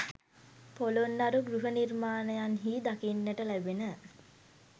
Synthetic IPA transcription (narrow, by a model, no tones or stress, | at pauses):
polonːaɾuɡɾuɦənirmaːnəjanɦiːd̪akinːəʈəlæbenə